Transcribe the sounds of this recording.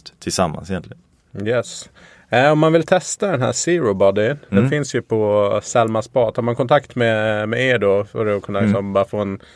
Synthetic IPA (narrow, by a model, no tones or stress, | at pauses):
t̪t̪ʰːɪlsamːa̰nsɛjɛnt̪lɪɡən | jɛs | ɔmːanvɪlt̪ʰɛst̪ad̪ɛnɦæ̰ːsɪɾʊbɑd̪ɪnd̪ɛnfɪnsjɵpʰɔsɛlmaspɑːt̪haɾmankʰɔnt̪ʰakt̪mɛmɛeːɖofœ̰ɾɛɔkʰɵnːalɪksɔmbɑːɾafoːɛn